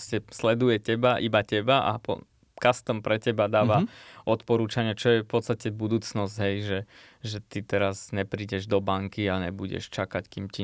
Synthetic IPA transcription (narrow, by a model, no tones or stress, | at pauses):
scɛslɛd̪ujɛcɛbaʔibacɛbaʔa̰pɔ̰ | kast̪ɔmpɾɛcɛbad̪aːʋaɔt̪pɔɾuːt͡ʃaɲɪɛt͡ʃɔjɛfpɔt̪st̪acɛbud̪uːt͡snɔzɟ̥ɦɛjʒɛ | ʒɛt̪it̪ɛɾazɲɛpɾiːɟɛʒd̪ɔbaŋkiaɲɛbuɟɛ̰ʃt͡ʃakackiːmci